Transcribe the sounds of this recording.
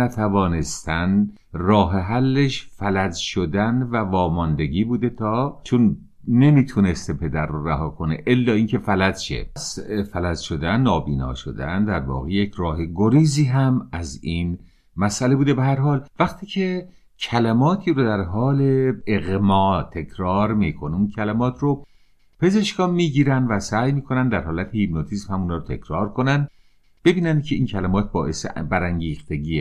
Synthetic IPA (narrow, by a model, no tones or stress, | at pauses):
æt̪ʰævɒːne̞st̪ʰæn | rɒːɦeɦælːeʃfælæd͡ʒʃod̪ænvævɒːmɒnd̪e̞ɡiːbuːd̪e̞t̪ʰɒːt͡ʃʰonː | e̞miːt̪ʰunest̪epʰe̞d̪æɾːoræɦɒːkʰoneʔelːɒːiːncʰe̞fælæd͡ʒʃḛsfælæzʃod̪ænːɒːbiːnɒ̰ːʃo̰d̪æ̰nd̪æɾvɒ̰ːɣejecʰrɒːɦeɡoɾiːziːɦæmæzin | mæsʔæle̞buːd̪ebehæɾɦɒːlvæxt̪ʰiːcʰe̞ | cʰælæmɒːt̪ʰiːɾod̪æɾɦɒːleeɣmɒːt̪ʰe̞cʰɾɒːɾmiːkʰoniuncʰælæmɒːt̪ʰro | pʰe̞ze̞ʃkʰɒːmiːɟiːɾænd̪væsæːjmiːkʰo̞nænd̪æɾhɒːlæt̪ʰehibnot̪ʰiːsmhæmuːnɒːɾot̪ʰe̞̰cʰɾɒːɾkʰonænd̪ | b̥e̞biːnænd̪̚cʰeiːncʰælæmɒːt̪̚ʰbɒːʔe̞sebæɾæŋɟiːxt̪ʰe̞ɟiːe